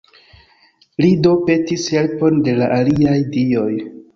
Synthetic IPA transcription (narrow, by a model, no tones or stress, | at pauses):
lido̞pe̞tishe̞lpo̞nde̞laʔaliajdio̞j